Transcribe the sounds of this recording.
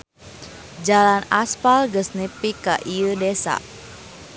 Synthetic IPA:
d͡ʒalanaspalɡəsnipikaʔiədesa̰ʔ

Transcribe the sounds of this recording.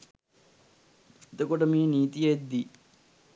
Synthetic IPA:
et̪okoʈəmiːniːt̪ijəed̪ːi

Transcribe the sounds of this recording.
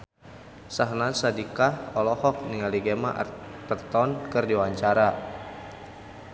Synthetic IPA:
saɦnasadikahɔlɔhɔk̚niŋaliɡemaʔt̪ərt̪ɔnkɨrdiwaɲt͡ʃaɾa

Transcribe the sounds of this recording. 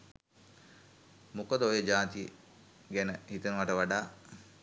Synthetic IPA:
mukəd̪əojəd͡ʒaːt̪iə | ɡænəhit̪ənəʋaʈəʋaɖaː

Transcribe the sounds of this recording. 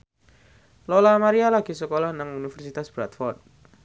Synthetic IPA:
lolamaɾialaɡ̥isəkolɔhnaŋunifərsit̪asb̥ɾat̪fɔrt̪̚

